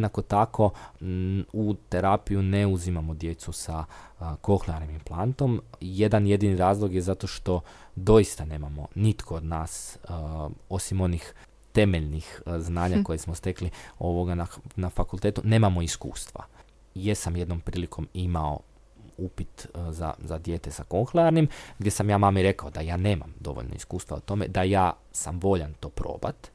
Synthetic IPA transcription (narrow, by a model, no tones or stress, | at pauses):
nako̞t̪akʰo̞ | ut̪e̞ɾapijuneuzimamo̞d̪je̞t̪susako̞xlˠanimimplˠant̪o̞mje̞d̪anje̞d̪iniɾaːzlˠo̞ɡjezat̪o̞ʃt̪o̞d̪o̞jist̪ane̞ːmamo̞nit̪kʰood̪naːs | o̞simo̞nix | t̪e̞meʎnixznaːɲako̞jesmost̪e̞klio̞ʋoɡananafakulˠt̪e̞ːt̪une̞ːmamo̞iskṵːst̪ʋa̰ | jesamje̞d̪nompɾiːlikʰo̞mimao̞̰ | upit̪za̰zad̪je̞ːt̪esako̞ŋxleaɾnimɡd̪ʲje̞samjaːmaːmiɾe̞kaod̪ajaːneːma̰md̪o̞̰ʋo̰ʎnoḭskuːst̪ʋa̰ut̪o̞me̞̰d̪ajaː | samʋo̞ʎant̪o̞ːpɾo̰ːba̰t̪